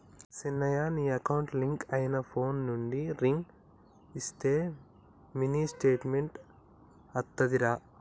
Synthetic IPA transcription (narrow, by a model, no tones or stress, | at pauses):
sinːɐjaːniːɐkɐwuɳʈliŋkɐjinɐpʰoːnːuɳɖiɾiŋɡ | ist̪e̞ː | miniːsʈe̞ːʈmeɳʈ | ɐt̪ːɐd̪iɾaː